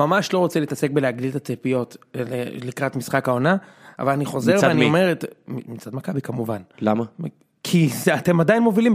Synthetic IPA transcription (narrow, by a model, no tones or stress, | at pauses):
mamaʃlo̞ʁo̞t͡seliːtase̞k̚beleaɡdiltat͡sepijo̞tḛlikʁatmisχakao̞naa̰valaniχo̞zme̞ʁveaniome̞ʁetimit͡sad̪makabikamuvanlama | kʰizeate̞madajnmo̞vilim